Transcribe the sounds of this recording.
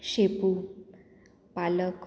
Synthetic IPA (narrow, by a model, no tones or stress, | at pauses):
ɕepu | palək